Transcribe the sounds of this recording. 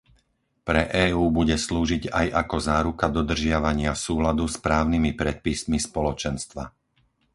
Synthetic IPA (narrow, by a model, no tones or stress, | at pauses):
pɾɛʔɛːuːbuɟɛsluːʒiɟajakɔzaːɾukad̪ɔd̪r̩ʒɪaʋaɲɪafsuːlad̪uspɾaːʊnimipɾɛt̪̚pismispɔlɔt͡ʃɛnst̪ʋa